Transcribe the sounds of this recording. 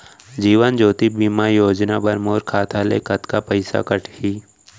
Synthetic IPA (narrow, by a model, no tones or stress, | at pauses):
d͡ʒiːʋənd͡ʒoːt̪ibimajoːd͡ʒnabɐɾmoːɾkʰaːt̪ʰalekɐt̪kapəɪsa̰kəʈʰhiː